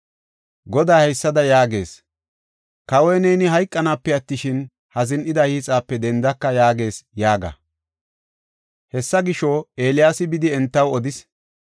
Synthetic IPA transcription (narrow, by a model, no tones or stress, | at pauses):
ɡɔd̪aːhɛjsːɐd̪ɐjaːɡe̞̰ːs | kɐwɔjnɛjnɪɦɐjkʼːɐnaːpːɛɐt̪ːɪʃɪn | hɐzɪnʔɪd̪ɐhiːt͡sʼaːpːɛd̪ɛnd̪ɐkːɐjaːɡe̞ːsjaːɡɐ̰ | hɛsːɐɡɪʃɔe̞ːlɪjaːsɪbɪd̪ɪɛnt̪ːɐwɔd̪ɪs